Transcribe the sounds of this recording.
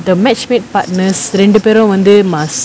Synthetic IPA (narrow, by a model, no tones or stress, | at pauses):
d̪əmɛt͡ʃmit̪̚pat̚nəsɾeɳɖupeɾõmə̃nd̪imãs